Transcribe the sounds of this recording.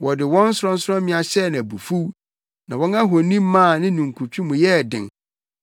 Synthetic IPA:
wɔ˨dɪ˨wɔ̃˦n̩˦sʊ˦ɾɔ̃˦n̩˦sʊ˦ɾɔ̃˦mɪ̃˦a˨ɕɛ˦˨nã˨bu˨fu˦w | nã˨wɔ̃˦na˦ɦɔ˨nĩ˦m˦mã˦˨nɪ̃˦nũ˨ŋ̩˨kʰu˨t͡ɕʰᶣũ˦mũ˨jɛ˦˨dɪ̰̃˨ŋ

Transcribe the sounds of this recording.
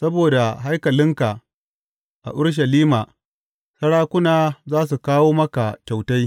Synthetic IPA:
sɐ˦boː˨da˨ɦa˦jkɐ˨lɪ˦ŋka˨ʔ | ʔa̰˨ʔʊ˦ɽʃ̬ɐ˨liː˦ma˨ | sɐ˦ɽaː˦kʷʊ˦naː˨zaː˦s̬u˨kaː˦woː˦mɐ˦ka˨kʲa˨wta˦j

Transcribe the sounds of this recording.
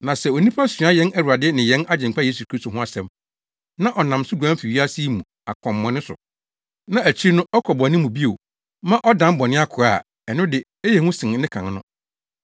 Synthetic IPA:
nã˨sɛ˨o˨nĩ˦pʰa˦sɥ̃a˦jɛ˦næ˦˨wu˨a˨dɪ˦nɪ̃˨jɛ̃˦na˦d͡ʑɪ̃˨mkʰa˦je˦su˨kʰɾi˦sto˨ɦʊ̃˦a˨sɛ̃˦m | nã˦ʔɔ˨nã˨msʊ˦ɡu˨ã˦fi˨ɥi˦a˦si˦mũ˨ | a̰˨kʰɔ̃˨mː˦ɔ̃˨˦nɪ̃˦sʊ̰˨ | nã˦æ˨t͡ɕʰi˦nʊ̃˦ɔ˦kʰɔ˨bɔ˨nɪ̃˦mũ˨bi˦o˨ | mã˦ʔɔ˦dã˦m˦bɔ˨nɪ̃˦a˦kʰʊ˨ɾa˦˨ | ɛ˨nʊ̃˦dɪ˨ | e˦jɛ˨ŋʊ̃˦sɪ̃˨n˨nɪ̃˦kʰã̰˨n˦nʊ̰̃˦

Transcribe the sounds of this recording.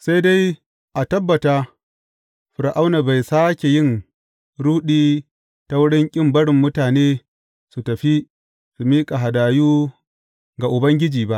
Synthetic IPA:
sa˦jda˦j | ʔa˨tɐ˦bːɐ˨ta˦ | ɸʊ˨ɾa˨ʔa˦wna˨ba˨jsaː˦kʲe˨jɪ˦˨n | ɽuː˦ɗiː˦ | ta˦wʊ˦ɽɪ˦ŋkʲʼɪ˦mbɐ˦ɽɪ˨mːʊ˦taː˨neː˦ | su˨tɐ˨ɸi˦ | su˨miː˦kʼa˨ɦa˨daː˨juː˦ | ɡa˨ʔʊ˨bɐ˦ŋɡʲɪ˦d͡ʒiː˨ba˦ʔ

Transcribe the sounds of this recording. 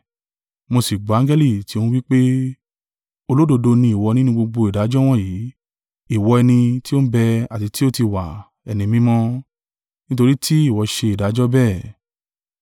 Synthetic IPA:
mo˧si˨ɡ͡bã˨˦d͡ʒɛ˦li˦˨ti˧˦ũ˧wi˦k͡pe˦ | o˧lo˦do˧do˧nĩ˧˦i˨wɔ˧nĩ˦nũ˧ɡ͡bo˧ɡ͡bo˧i˨da˨˦d͡ʒɔ˦w̃ɔ̃˦˨jiː˨˦ | i˦˨wɔ˧ɛ˧nĩ˧ti˦o˦bɛ˧a˨ti˧ti˦o˦ti˧wa˨ | ɛ˨nĩ˧mĩ˧mɔ̃˧˦ | nĩ˦to˧ɾi˦tʰi˦i˦˨wɔ˧ʃe˧i˨da˨˦d͡ʒɔ˦bɛː˦˨

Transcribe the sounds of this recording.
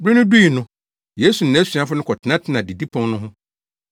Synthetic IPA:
bɾɪ˦nʊ̃˦du˦i˨nʊ̃˦ | je˦su˨n̩˨nã˨˦sɥa˦fʊ˦nʊ̃˦kʰɔ˨tʰɪ˨nã˦tʰɪ˨˦nã˨di˨di˦pʰɔ̃˦ŋnʊ̃˦ɦʊ̃˦

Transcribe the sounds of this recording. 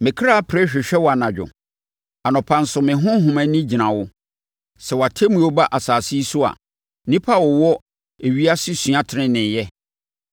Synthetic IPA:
mɪ̃˨kʰɾa˦pʰɾɛ˦ɕᶣɪ˨ɕᶣɛ˦wɔ˨a˨nã˨d͡ʑᶣʊ̰˨ | a˨nʊ̃˨pʰã˦n˦sʊ˨mɪ̃˨ɦʊ̃˦ɦʊ̃˨mæ̃˨nĩ˦d͡ʑi˨nã˨wʊ˦ | sɛ˨wa˨tʰe˦mũ˨˦o˦ba˦ʔa˨saː˨si˦sʊ˦a̰˨ | nĩ˦pʰa˦wɔ˨wɔ˦ | e˨ɥi˦a˦sɪ˦sɥ̃ã˨tʰɪ˨nɪ̃˦nɪ̃˨jɛ˦

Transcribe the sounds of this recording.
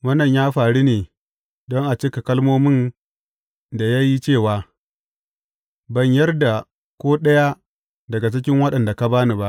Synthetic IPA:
wɐ˦nːɐ˨ɲjaː˦ɸaː˨ɽi˦neː˨ | dɔ˦ŋʔa˨t͡ʃɪ˦ka˨kɐ˦lmoː˦mɪ˦n | da˨ja˦ji˦t͡ʃeː˦˨waː˨ | bɐ˦˨ɲjɐ˦rda˨ | kʷoː˦ɗɐ˦ja˦ | dɐ˨ɡa˨t͡ʃɪ˦k̬ʲɪ˦ŋwɐ˦ɗɐ˨nda˨ka˦baː˦ni˦ba˦ʔ

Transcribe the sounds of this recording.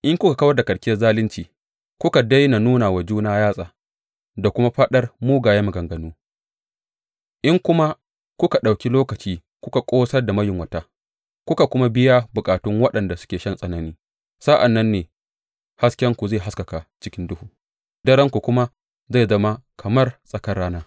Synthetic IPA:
ʔɪ˦ŋkʷʊ˦ka˨kɐ˦wɐ˦rda˨kʼɐ˨ɽkʲɪ˦jɐ˦rzaː˦lɪ˦nt͡ʃiː˨ | kʷʊ˦ka˨dɐ˦jna˨nuː˦na˨wa˨d͡ʒuː˦naː˦jaː˦sʼaː˨ | da˨kʷʊ˦ma˦ɸɐ˦ɗɐ˦rmuː˦ɡaː˨jɐ˦mɐ˨ɡɐ˨ŋɡɐ˨nuː˦ | ʔɪ˦ŋkʷʊ˦ma˦ | kʷʊ˦ka˨ɗa˨wkʲi˦loː˦kɐ˨t͡ʃiː˦ | kʷʊ˦ka˨kʷʼoː˦sɐ˦rda˨mɐ˦jɪ˨ŋwɐ˨ta˦ | kʷʊ˦ka˨kʷʊ˦ma˦bɪ˦ja˦bʊ˨kʼaː˨tʊ˦ŋwɐ˦ɗɐ˨nda˨sʊ̥˦kʲeː˨ʃɐ˦nsʼɐ˦nɐ˦niː˦ | sa˦ʔa˨nːɐ˦nːeː˨ | ha˦skʲɛ˦ŋkʷu˨zeː˦˨ɦa˦skɐ˨ka˨t͡ʃɪ˦kʲɪ˦ndʊ˦huː˨ | dɐ˦ɾɛ˦ŋkʷu˨kʷʊ˦ma˦ | za˦˨zɐ˦ma˦kʰɐ˨mɐ˦rsʼɐ˨kɐ˦rɽaː˦naː˦

